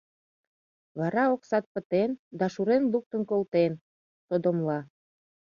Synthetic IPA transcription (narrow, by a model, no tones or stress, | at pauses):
βɑɾɑoksɑt̪̚pət̪end̪ɑʃuɾenluk̚t̪ənkolt̪en | t̪od̪omlɑ